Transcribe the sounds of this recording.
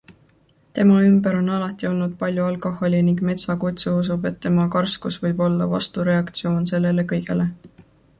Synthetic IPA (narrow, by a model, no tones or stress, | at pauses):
t̪e̞mɑymbeɾo̞nɑlɑt̪ːˑio̞lnud̪̥̚pɑlʲjuɑlko̞ho̞lʲiniŋɡme̞t̪sɑkut̪suus̬ube̞t̪ːe̞mɑkɑrskusvɤjb̥o̞lːɑ̰vɑ̰st̪uɾe̞ɑkt̪sio̞ːnse̞lːe̞le̞kɤjɡ̥e̞̰le̞